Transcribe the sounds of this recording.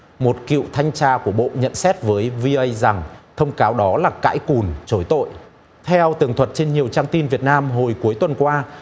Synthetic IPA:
mo˨˩t̚kḭ˧˨wt̪ʰa˧jŋ̟t͡ɕaː˧ku˧˩əɓo̰˧˨ɲə̰˧˨nsɛ˦˥t̚vəː˨˦jvi˧ʔə˧jza˨˩ŋt̪ʰə˧wŋ͡mkaː˨˦wɗɔ˨˦laː˨˩ka̰ː˧˥jku˨˩nt͡ɕo˨˦jt̪o̰˧˨jʔ | t̪ʰɛ˧wt̪ɨ˨˩əŋt̪ʰwə˨˩t̚t͡ɕe˧nɲi˨˩əwt͡ɕaː˧ŋt̪i˧nvi˨˩ət̚naː˧mɦo˨˩jku˨˦əjt̪wə˨˩nkwaː˧

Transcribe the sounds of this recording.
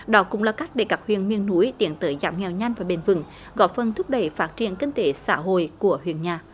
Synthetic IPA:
ɗɔ˨˦kʊ̰˧˥ŋ͡mlaː˨˩ka˦˥jk̚ɗe˧˩kaː˦˥k̚hwḭ˧˨ənmi˧ənːu˨˦jt̪i˨˦ənt̪əː˨˦jzaː˨˩m̚ŋɛ˨˩wɲa˧jŋ̟vaː˨˩ɓe˨˩nvɨ̰˧˩ŋ | ɣɔ˧˩fə˨˩nt̪ʰʊ˦˥k͡p̚ɗə˧˩jfaː˦˥t̚t͡ɕḭ˨˧˨ənkï˧ŋ̟t̪e˨˦sa̰ː˧˥ɦo̰˧˨jku˧˩əhwḭ˧˨ənɲaː˨˩

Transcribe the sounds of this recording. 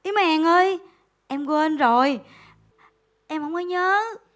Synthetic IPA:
ʔi˨˦ma˨ŋʔəː˧j | ʔɛ˧mkwe˧nzo˨˩j | ʔɛ˧mhə˧wŋ͡mʔəː˧˦jɲəː˨˦

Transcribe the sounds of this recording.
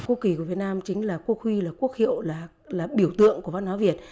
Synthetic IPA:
kṵ˧˥ki˨˩ku˧˩vi˨˩tnaː˧mt͡ɕï˨˦ŋ̟laː˨˩ku˦˥ək̚hwi˧laː˨˩ku˦˥ək̚hḭ˧˨ə˨wlaː˨˩ | laː˨˩ɓi˧˩əwt̪ɨ̰˧˨əŋku˧˩vaː˧˦nhwaː˨˦vi˨˩ət̚

